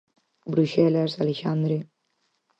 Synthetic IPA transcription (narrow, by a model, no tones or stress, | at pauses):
bɾuʃɛlazaleʃand̪ɾi